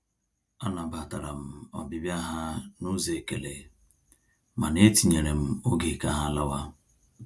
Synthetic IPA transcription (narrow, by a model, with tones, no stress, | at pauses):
a˦na˨ba˨ta˨ɾa˨m̩˦˨ɔ̰˨bi˦bja˦ɦa˦nu˦ze˨ke˨lḛ˨ | ma˨ne˦ti˨ɲe˨ɾe˨m̩˦o˦ɡe˨ka˦ɦa˦la˦wa˦